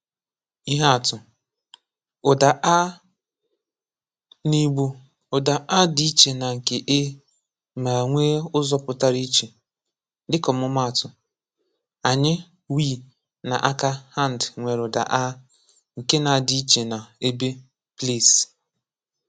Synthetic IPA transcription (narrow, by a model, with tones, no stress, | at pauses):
i˦ɦa˦a˨tʊ˨ | ʊ˨da˨ʔa˦ | ni˦ɡ͡bu˦ | ʊ˨da˨ʔa˦dɪ˦i˦t͡ʃe˨na˨ŋ̩˨ke˨ʔe˦ | ma˨ŋʷeː˦ʊ˦zɔ˨pʊ˨ta˦ɾi˦t͡ʃe˨ | dɪ˦kɔ˨mʊ˦ma˦a˨tʊ˨ | a˨ɲɪ˦ | wi˦˨ | na˨ʔa˦ka˦ha˦˨n̩˨dŋʷe˨ɾʊ˨da̰˨ʔa˦ | ŋ̩˨ke˦na˨di˦i˦t͡ʃe˨na˨e˦be˦ | ple˦˨s